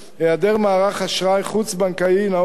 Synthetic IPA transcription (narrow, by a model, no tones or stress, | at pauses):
ejad̪eʁmaːʁaχaʃʁajχut͡sbaŋkaina